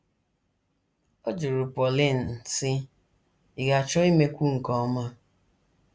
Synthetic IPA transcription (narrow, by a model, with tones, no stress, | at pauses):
o˦d͡ʒʊ˨ɾu˨pɔ˨li˦˨n̩˨sɪ˦ | i˨ɡa˨t͡ʃɔ˦i˦me˦kʷu˦ŋ̩˨kɔ˦ma˦